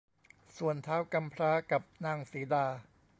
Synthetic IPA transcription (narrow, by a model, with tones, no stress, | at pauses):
su˨˩ənt̪ʰaː˦˥wka˧mpʰɾaː˦˥ka˨˩p̚naː˧˩ŋsiː˩˦daː˧